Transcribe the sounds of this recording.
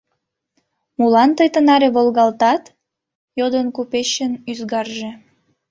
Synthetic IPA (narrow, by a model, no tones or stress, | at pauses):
mulɑnt̪əjt̪ənɑɾeβolɣɑlt̪ɑt̪ | jod̪ənkupeɕənyzɣɑrʒe̽